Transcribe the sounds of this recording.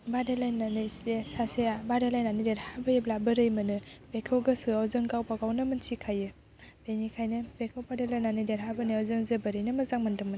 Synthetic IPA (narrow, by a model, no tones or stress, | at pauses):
badelajnanɯsesasejabadelajnanideɾhabɯjeblabɯɾɯjmɯnɯpekʰewɡɐsuawzɯŋɡawpaɡawnɯmɯnt͡ʃʰikʰajɯ | benikʰajnɯpekʰewpadelajnanideɾɦabɯnɯawzɯŋzɯbɯɾɯjnɯmɐzaŋmandɯŋmɯn